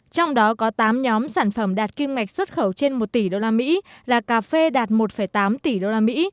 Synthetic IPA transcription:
t͡ɕɔ˧wŋ͡mɗɔ˨˦kɔ˨˦t̪aː˨˦mɲɔ˨˦msaː˧˩nfə˧˩mɗaː˨˩t̚ki˧mŋa˨˩k̚swə˦˥t̚xə˧˩wt͡ɕe˧nmo˨˩t̚t̪i˧˩ɗo˧laː˧mḭ˧˥laː˨˩kaː˨˧˩fe˧ɗaː˨˩t̚mo˨˩t̚fə˧˩jt̪aː˨˦mt̪i˧˩ɗo˧laː˧mḭ˧˥

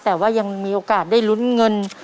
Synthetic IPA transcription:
t̪ɛː˨˩waː˥˩ja˧ŋmiː˧ʔoː˧kaː˨˩t̪̚daː˥˩jlu˦˥nŋɤ˧n

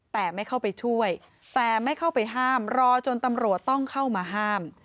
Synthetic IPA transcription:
t̪ɛː˨˩ma˥˩jkʰa˥˩wpa˧jt͡ɕʰu˥˩əj | t̪ɛː˨˩ma˥˩jkʰa˥˩wpa˧jɦaː˥˩mɾɔː˧t͡ɕo˧nt̪a˧mɾu˨˩ət̪ːɔ˥˩ŋkʰa˥˩wmaː˧ɦaː˥˩m

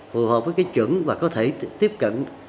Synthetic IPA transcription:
fṵ˨˩həː˨˩p̚vəː˨˦jkaː˨˦jt͡ɕwə̰˧˩˦nvaː˨˩kɔ˨˦t̪ʰe˧˩t̪i˦˥əp̚kə̰˧˨n

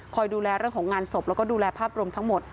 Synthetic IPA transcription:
kʰɔː˧jduː˧lɛː˧ɾɯ˥˩əŋkʰɔː˩˦ŋaː˧nso˨˩p̚lɛ˦˥wkɔː˥˩duː˧lɛː˧pʰaː˥˩p̚ɾu˧əmt̪ʰa˦˥ŋmo˨˩t̪̚

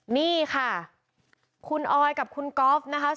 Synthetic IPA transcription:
niː˥˩kʰa˥˩ | kʰu˧nʔɔː˧jka˨˩p̚kʰu˧nkɔː˦˥p̚na˦˥kʰa˦˥

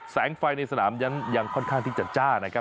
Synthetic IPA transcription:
sɛː˩˦ŋfa˧jna˧jsa˧naː˩˦mna˦˥nja˧ŋkʰɔ˥˩nkʰaː˥˩ŋt̪ʰiː˥˩t͡ɕa˨˩t̪̚t͡ɕaː˥˩na˦kʰa˦˥

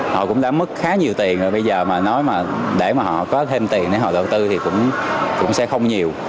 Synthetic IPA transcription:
hɔ̰˧˨kʊ̰˧˥ŋ͡mlaː˨˦mːɨ˦˥k̚xaː˨˦ɲi˨˩əwt̪i˨˩ənʔo˨˩ɓə˧jzəː˨˩maː˨˩nɔ˨˦jmaː˨˩ɗḛ˧˩maː˨˩hɔ̰˧˨kɔ˨˦t̪ʰe˧mt̪i˨˩ənɗe˧˩ɦɔ̰˧˨ɗə˨˩w̚t̪ɨ˧t̪ʰi˨˩kʊ̰˧˥wŋ͡mkʊ̰˧˥ŋ͡msɛ̰˧˥xə˧wŋ͡mɲi˨˩əw

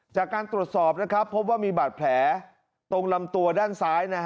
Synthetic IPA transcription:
t͡ɕaː˨˩kːaː˧nt̪ɾu˨˩ət̪̚sɔː˨˩p̚na˦˥kʰɾa˦˥pʰːo˦˥p̬̚waː˥˩miː˧baː˨˩t̪̚pʰlɛː˩˦ | t̪o˧ŋla˧mt̪u˧ɐdaː˥˩nsaː˦˥jna˦˥

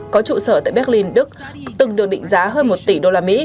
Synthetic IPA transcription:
kɔ˨˦t͡ɕṵ˧˨səː˧˩t̪a̰ː˧˨jɓɛ˦˥k̚li˧nɗɨ˦˥k̚t̪ɨ˨˩ŋɗɨ˨˩ək̚ɗḭ˧˨ŋ̟zaː˨˦ɦəː˧nmo˨˩t̚t̪i˧˩ɗo˧laː˧mḭ˧˥

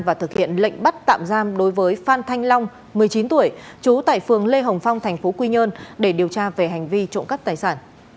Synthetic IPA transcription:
vaː˨˩t̪ʰɨ˨˩k̚hḭ˧˨ənlə̰˧˨ŋ̟ɓa˦˥t̚t̪a̰ː˧˨mzaː˧mɗo˨˦jvəː˨˦jfaː˧nt̪ʰa˧jŋ̟la˧wŋ͡m | mɨ˨˩əjt͡ɕi˨˦nt̪u˧˩əjt͡ɕu˨˦t̪a̰ː˧˨jfɨ˨˩əŋle˧ɦə˨˩wŋ͡mfa˧wŋ͡mt̪ʰɛ˨˩jŋ̟fo˨˦kwi˧ɲəː˧nɗe˧˩ɗi˨˩əwt͡ɕaː˧ve˨˩ɦa˨˩ŋ̟vi˧t͡ɕʊ̰˧˨ŋ͡mkə˦˥p̚t̪aː˨˩jsaː˧˩n

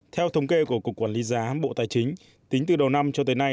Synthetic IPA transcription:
t̪ʰɛ˧wt̪ʰə˧wŋ͡mke˧ku˧˩əku˨˩əkːwaː˧˩li˨˦zaː˨˦ɓo̰˧˨t̪aː˨˩jt͡ɕï˨˦ŋ̟ | t̪ï˨˦ŋ̟t̪ɨ˨˩ɗə˨˩wna˧mt͡ɕɔ˧t̪əː˨˦jna˧j

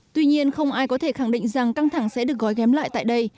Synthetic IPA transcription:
t̪wi˧ɲi˧ənxə˧wŋ͡mʔaː˧jkɔ˨˦t̪ʰe˧˩xa˧˩ŋɗḭ˧˨ŋ̟za˨˩ŋka˧ŋt̪ʰa˧˩ŋsɛ̰˧˥ɗɨ˨˩ək̚ɣɔ˨˦jkɛ˨˦mla̰ː˧˨jt̪a̰ː˧˨jɗə˧j

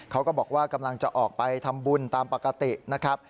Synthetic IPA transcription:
kʰa˦˥wkɔː˥˩bɔː˨˩k̚waː˥˩ka˧mla˧ŋt͡ɕa˨˩ʔɔː˨˩k̚pa˧jt̪ʰa˧mbu˧˩nt̪aː˧mpa˨˩ka˧t̪i˨˩na˦˥kʰɾa˦˥p̚

